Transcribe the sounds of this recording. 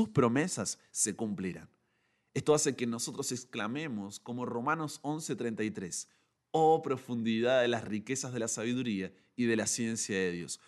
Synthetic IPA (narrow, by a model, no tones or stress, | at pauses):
uspɾo̞me̞sasːe̞kumpleɾa̰n | est̪oase̞ke̞no̞so̞t̪ɾo̞sesklame̞mo̞sko̞mo̞ro̞mãno̞so̞nse̞t̪ɾent̪ajt̪ɾe̞s | opɾo̞fund̪iðaððelasrike̞sazðelasaβ̞iðuɾia | iðe̞lasje̞nsjaðeðjo̞̰s